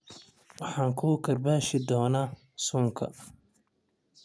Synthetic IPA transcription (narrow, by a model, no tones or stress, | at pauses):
wɑħɑːŋkʰuːkʰɐrbaːʃɪd̪ɔːnaː | suːŋkʰɐ̰